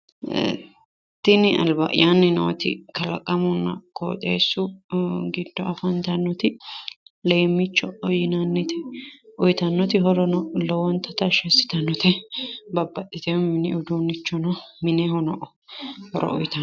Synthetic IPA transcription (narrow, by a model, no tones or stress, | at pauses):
t̪ːɪnɪɐ̰lbɐ̰ʔjanːɪno̰ːt̪ɪ̰kɐlɐkʼːɐmʊnːɐ̰ko̰ːt̪ʼḛːsːʊɡɪd̪ːɔɐfɐnt̪ɐnːɔt̪ɪ | leːmːɪt͡ʃːɔɔjɪnɐnːɪt̪ɛɔjt̪ɐnːɔt̪ɪɦɔɾɔnɔlɔwɔnt̪ɐt̪ɐʃɛsːɪ̥t̪ɐnːɔt̪ɛbɐbːɐt̪ʼːɪt̪ɛmmɪnɪʔʊd̪uːnːɪt͡ʃːɔnɔmɪnɛɦɔnɔʔɔ | hɔɾɔ̰ʔɔ̰jt̪ɐ